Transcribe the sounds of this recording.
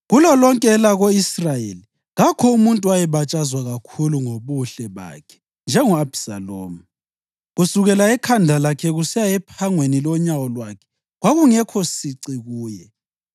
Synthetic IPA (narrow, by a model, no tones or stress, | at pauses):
ɣulɔlɔŋkʼɛːlaɣoisrajḛli | ɣakʰɔumuntʼuwajɛβat͡ʃʼazwaɣakʰuluŋoβuɬɛβa̰kʰɛ̥ | nd͡ʒʱɛŋɔabsa̰lo̰ːmu | ɣusuɣɛlaɛkʰandʱalakʰɛɣusɛjaɛpʰaŋwenilɔɲawɔlwakʰɛ̥ | ɣwaɣuŋɛkʰɔsiǀiɣuːjɛ